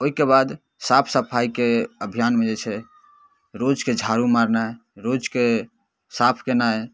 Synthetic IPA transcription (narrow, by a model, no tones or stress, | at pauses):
oɦikebad̪ | sapʰsəpʰaikeəbʱijanmed͡ʒet͡ʃʰɛ | ɾod͡ʒked͡ʒʱaɾumaɾnaeɾod͡ʒke | sapʰkena